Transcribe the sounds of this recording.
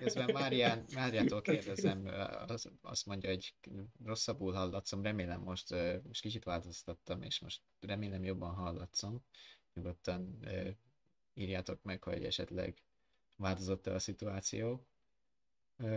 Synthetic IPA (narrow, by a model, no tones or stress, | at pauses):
køzbɛmmaːɾijaːnmaːɾijaːt̪olkeːrd̪ɛzɛm̰ | ɒ̰st̪mo̞ɲɟɒhoɟro̞sːɒbːuːlɦɒlːɒt̪so̞mrɛmeːlɛmːo̞ʃt̪øːmoʃt̪kit͡ʃit̪ʋaːlt̪o̞st̪ɒt̪ːɒmḛːʃmo̞̰ʃt̪ | rɛmeːlɛmjo̞bːɒnɦɒlːɒt̪somɲuɡo̞t̪ːɒnøː | iːrjaːt̪o̞kmɛkho̞̰ɟɛ̰ʃɛ̰t̪lɛ̰ɡ | vaːlt̪ozo̞t̪ːɛɒsit̪uaːt̪sḭjoː